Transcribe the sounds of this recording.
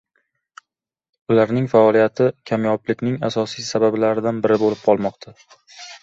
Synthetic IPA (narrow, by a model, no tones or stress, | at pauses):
ʊlaɾnɪŋfaɒlijat̪ʰɪkʲʰamjɒplɪkʲnɪŋasɒsijsabablaɾɪd̪anbɪɾɪbolɪp̚qʰɒlˠmɒqt̪ʰa